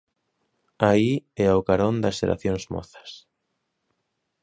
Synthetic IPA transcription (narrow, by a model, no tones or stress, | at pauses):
aiɛaokaɾõnd̪aseɾʔa̰θjoŋzmɔ̰θḁs